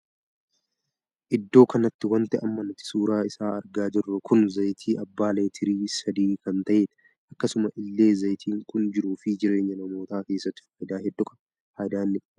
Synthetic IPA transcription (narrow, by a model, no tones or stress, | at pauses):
ʔɪd̪ːo̞ːkɐnɐt̪ːɪwɐnt̪ɛʔɐmːɐnʊt̪ːɪ̥suːɾaːɪsaːɐɾɡaːd͡ʒɪrːʊkʊnzɐjt̪ʰiːʔɐbːaːleːt̪ʰɪɾiːsɐd̪iːkɐnt̪ɐʔe̞ːn | ʔɐkːɐsʊmɐʔɪlːe̞ːzɐjt̪ʰiːŋkʊnd͡ʒɪɾuːfɪd͡ʒɪɾe̞ːɲːɐnɐmo̞ːt̪aːke̞ːsːɐt̪ɪ̥fhaːjd̪aːɦɛd̪ːɔkɐ̥ | haːjd̪aːɪnːɪkɐ